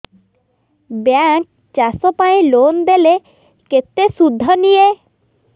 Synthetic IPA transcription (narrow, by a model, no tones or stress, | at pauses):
bjak̚ | t͡ʃasɔpaĩlond̪ele | ket̪esud̪ʱːɔnije